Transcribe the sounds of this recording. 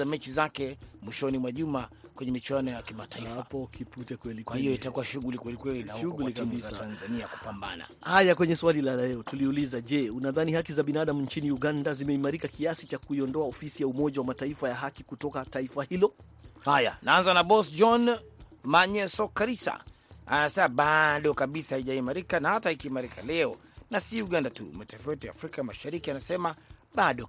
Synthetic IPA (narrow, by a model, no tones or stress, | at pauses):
amɛt͡ʃizakɛmwiʃɔnimwaʄumakwɛɲɛmit͡ʃwanɔjakimataiaapɔkʰiputɛkwɛlikhijɔitakuaʃuɣulikwɛlikwɛlilaʃuɣullikabistanzaniaku̥pamba̰na̰hajakwɛɲɛswalilalɛɔtuliulizaʄɛunaðanihakizaɓinaɗam̩ɲ̩t͡ʃiniuɠandazimɛimaɾikakiasit͡ʃakuiɔndɔaɔfisijaumɔʄawamataifajaɦakikutɔkataifahilɔ | haja̰naanzanaɓɔsd͡ʒɔnmaɲɛsɔkaɾisa̰ | a̰nasɛmaɓaɗɔkaɓisahaiʄaimaɾikanahatahikiːmaɾikʰa̰lɛɔnasiuɠandatṵmatɛfawɛtɔja̰ːfɾikamaʃaɾikianasɛmaɓaɗɔ